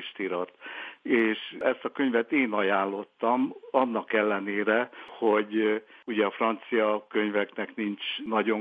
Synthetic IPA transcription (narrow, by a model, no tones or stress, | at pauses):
ʃt̪iɾɒt̪eːʃɛst̪ɒkø̞ɲvɛt̪eːnɒjaːlːo̞t̪ːɒmɒnːɒkɛlːɛneːɾɛho̞ɟuɟɛɒfrɒnt̪sijɒkø̞ɲvɛknɛknint͡ʃnɒɟo̞